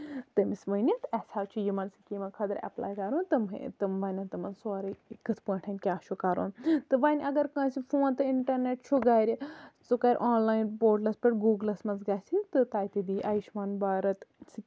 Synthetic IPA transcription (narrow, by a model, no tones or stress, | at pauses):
t̪ɐmismɐnit̪ɐsʲaːt͡ʃʰujimɐnsikʲiːmɐkʰɐd̪ɐɾɐ̰pla̰ːjkɐɾũːnt̪ɨm̰t̪ɨmʋɐːnʲɐnt̪ɨmɐnsoɾɨkɨt̪ʰpɐ̃ːʈʰɐnʲkʲaːʃʰukɐɾo̰ːnt̪ɨʋaːnʲʔɐɡɐɾkãːsifoːnt̪ɨiɳʈɐɾneʈt͡ʃʰuɡaːɾʲit͡sukaːɾʲʔaːnlaːjnpoːɾʈlɐspʲɐʈɡuːɡlɐsmɐnzɡaːsint̪ɨt̪aːjt̪id̪iːʔɐːjʃmɐːnbaːɾɐt̪si